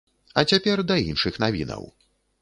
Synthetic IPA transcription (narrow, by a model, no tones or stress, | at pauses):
ɐt͡sʲapʲɛrd̪ɐinʂɨxnavʲinɐ̰w